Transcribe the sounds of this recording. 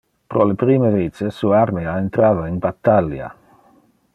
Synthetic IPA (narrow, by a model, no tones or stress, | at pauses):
pɾolepɾiːmevet͡sesuaɾmeaent̪ɾaːvainbat̪ːalja̰